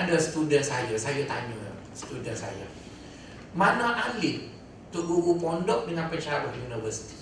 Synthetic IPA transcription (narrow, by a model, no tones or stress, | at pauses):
adasə̥t̪udənsajasajat̪aɲṵ | sə̥t̪udənsa̰ja̰ | mãnãʔalɪʔ | t̪uʊʔluɾupɔndɔʔ̚dəŋãnpəɲt͡ʃaawɔhjunivəsi̥t̪i̥